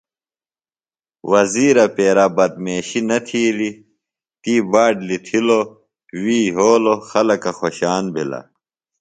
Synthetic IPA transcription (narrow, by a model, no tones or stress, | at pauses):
wɐziːɾɐpeːɾabɐt̪̚meːɕinɐt̪ʰiːli | t̪iːbaːɖlit̪ʰilo | wiːɦoːloxɐlɐkɐxoɕaːnbʱḭla̰